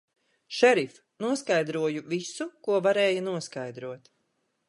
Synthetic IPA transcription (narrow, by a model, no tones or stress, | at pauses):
ʃɛɾif | nuɔskajd̪ɾuɔjuvisukuɔvaɾɛːjanuɔskajd̪ɾuɔt̪